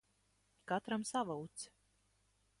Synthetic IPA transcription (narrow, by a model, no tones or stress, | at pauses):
kat̪ɾamsavawt̪s